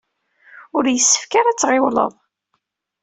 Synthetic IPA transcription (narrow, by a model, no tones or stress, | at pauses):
ʊɾjəsːə̥fkaɾæt͡sːʁɪwlə̰ðˤ